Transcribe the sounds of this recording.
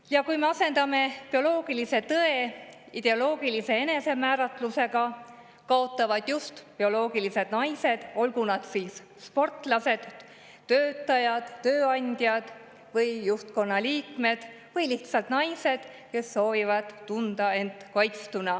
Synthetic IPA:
jɑkujme̞ɑse̞nd̪̥ɑme̞pio̞lo̞ːɡ̥ilise̞t̪ɤe̞ | id̪̥e̞olo̞ːɡ̥ilise̞e̞ne̞se̞mæːɾɑt̪ˑluse̞ɡ̥ɑ | kɑo̞t̪ˑːɑvɑd̪̥just̪pio̞lo̞ːɡ̥ilise̞d̪̥nɑjse̞d̪̥o̞lɡunɑd̪̥siːs | spo̞rt̪ˑlɑse̞d̪̥ː | øːt̪ːˑɑjɑd̪̥ːø̞ːɑnʲd̪̥jɑd̪̥ | vɤjːuht̪ko̞nːɑliːkme̞d̪̥ | vɤjliht̪sɑlt̪nɑjse̞d̪̥ | ke̞sːo̞ːvivɑd̪̥t̪ːund̪̥ɑe̞nt̪kɑjt̪st̪unɑ

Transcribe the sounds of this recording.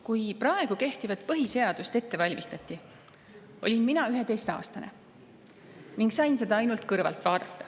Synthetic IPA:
kujpɾɑe̞ɡ̥uke̞ht̪ivɑt̪̚pɤɦise̞ɑd̪̥ust̪e̞t̪ːe̞vɑlʲmʔist̪ɑt̪ːˑi | o̞̰lʲinminɑyɦet̪e̞jst̪ɑ̰ːst̪ɑne | niŋɡsɑjnse̞d̪ɑɑjnult̪kɤrvɑ̰lt̪ˑvɑːd̪ɑt̪ːɑ̥

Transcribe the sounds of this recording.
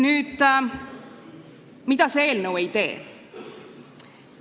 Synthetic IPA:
nyːd̪̥ | mid̪ɑsee̞ːlnəwe̞jt̪e̞̰ː

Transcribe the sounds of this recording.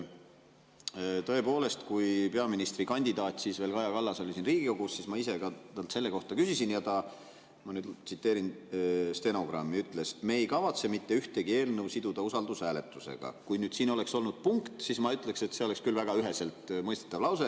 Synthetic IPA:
t̪oe̞po̞ːle̞st̪kujpe̞ɑminist̪rikɑnʲd̪id̪ɑːt̪ʲsisve̞ːlkɑjɑkɑlːɑso̞lʲisinriːɡ̥ikoɡussismɑise̞ɡɑt̪ɑlt̪se̞lːe̞ko̞ht̪ɑkysisinjɑt̪ɑ | mɑnyːd̪t̪sit̪ːˑeːɾinst̪e̞no̞ɡ̥rɑ̰mːiyt̪ːˑle̞smeːjkɑvɑt̪se̞mit̪ːe̞yht̪e̞ɡie̞ːlnɤwsid̪ud̪̥ɑusɑld̪usæːle̞t̪ːˑuse̞̰ɡ̥ɑ̰kujnyːd̪̥siːno̞le̞kso̞lnud̪̥̚puŋkt̪sismɑyt̪ːˑlekse̞t̪se̞o̞le̞kskylvæɡ̥ɑyɦe̞se̞lt̪mɤjst̪e̥t̪ːˑɑvlɑwse

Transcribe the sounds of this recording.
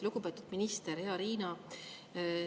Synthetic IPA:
luɡ̥upe̞ːt̪ud̪̥minist̪eɾheɑɾiːnɑ

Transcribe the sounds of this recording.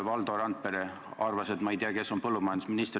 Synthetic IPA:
vɑld̪oɾɑnt̪̚peɾe | ɑrvɑse̞t̪mɑejt̪iɑke̞sːo̞npɤlːumɑjɑnd̪u̥sminist̪r

